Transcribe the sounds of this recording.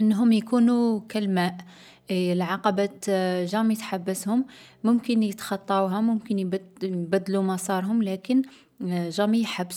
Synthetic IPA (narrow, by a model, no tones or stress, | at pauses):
ʔənːɦʊmjkunukælmæʔ | lʕɑqɑbæt̪ʒæmit̪ħabːəshʊmː | ʊmkənjət̪xɑt̪ˤːɑwɦæmʊmkənbæd̪ːlumæsˤɑɾˤɦʊmlækən | ʒæmijħabːs